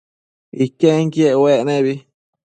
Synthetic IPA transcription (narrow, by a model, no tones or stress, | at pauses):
ikẽŋkjeʔweʔnẽβi